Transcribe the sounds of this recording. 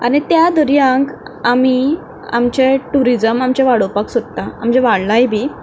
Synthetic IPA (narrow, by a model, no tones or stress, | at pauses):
a̰ñit̪jad̪ʱəɾijãŋkami | a̰mt͡ɕeʈuɾid͡zəmamt͡ɕeʋaɽopaksod̪t̪aamd͡ʑeʋaɽlajbʱiː